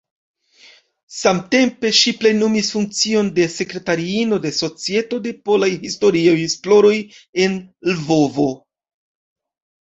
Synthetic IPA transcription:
samte̞mpe̞ʃiple̞nomisfuŋk̚t͡sio̞nde̞se̞kɾe̞taɾiino̞de̞so̞t͡sie̞to̞de̞po̞lajhisto̞ɾiajhisploɾo̞je̞nlvo̞vo̞

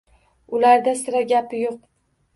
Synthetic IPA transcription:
ʊlaɾd̪asɪɾaɡʲapʰɪjoq̚

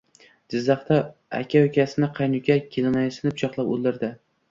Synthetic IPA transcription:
d͡ʒɪzːɑχt̪aa̰kʲʰaokʲasɪnɪqʰɑjnʊkʲakʲʰelɪnajsɪnɪp̚t͡ʃʰɒqlˠapo̰lˠd̪ɪɾd̪ɪ

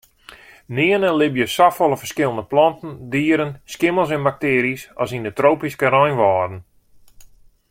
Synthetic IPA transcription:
nɪənəlɪbjəsafɔlˠəfər̥skɪlˠndəplɔntən̩diːəɾənskɪməlˠs̬ɛnbak̚tɪːɾisɔsindətroːpiskəɾɔjnʋɔːrdən̩

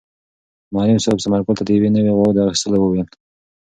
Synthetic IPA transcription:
mɑɾimsoksamaɾkʊlt̪ad̪əjewenəweɣowd̪ɑxist̪əlawəwel

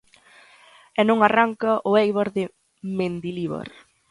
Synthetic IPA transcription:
ɛnõŋaraŋkɐʔʊejβaɾðɪ | mẽnd̪iliβa̰ɾ

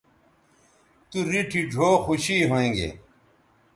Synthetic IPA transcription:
t̪uɾiʈʰiɖʱoːxuɕiɦoẽːŋɡḛː

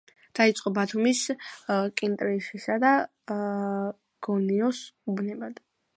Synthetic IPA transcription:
d̪̥ait̪sʼqʼɔbat̪ʰumis | kʼint̪ʼɾiʃisad̪a | ɡ̥ɔniɔsubnɛbad̪̥

